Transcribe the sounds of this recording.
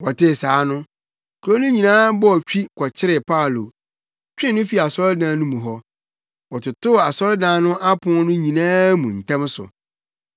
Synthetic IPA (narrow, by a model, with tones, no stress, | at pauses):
wɔ˨tɪ˦˨saː˨˦nʊ̃˦ | kʰo˦nũ˦ɲĩ˨nãː˦bɔ˦ɔ˨t͡ɕᶣi˦kʰɔ˨t͡ɕʰɪ˦ɾɪ˨pʰa˦˨lo̰˨ | t͡ɕᶣɪ̃˦nʊ̃˦fi˨˦˨a˨sɔ˦ɾɪ˦dãː˨˦nʊ̃˦mũ˨ɦɔ˦ | wɔ˨tʰʊ˨tʊ˦˨a˨sɔ˦ɾdãː˨˦nʊ̃˦ʔa˦pʰʊ̃˦nʊ̃˦ɲĩ˨nãː˦mũ˨n̩˨tʰã˦m˦sʊ̰˨